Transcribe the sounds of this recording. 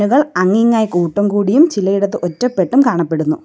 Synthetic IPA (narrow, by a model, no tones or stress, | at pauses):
nuɣɐɭɐŋːiŋːaːjikuːʈːɐmkuːɽijumt͡ɕilɐjiɽɐt̪ːɨʔotːɐpːe̞ʈːumkaːɳɐpːe̞ɽunːu